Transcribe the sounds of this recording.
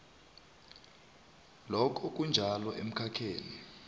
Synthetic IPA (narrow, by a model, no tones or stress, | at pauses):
lɔkʰɔk̬ʼund͡ʒʱalɔʔem̩kʰakʰeːni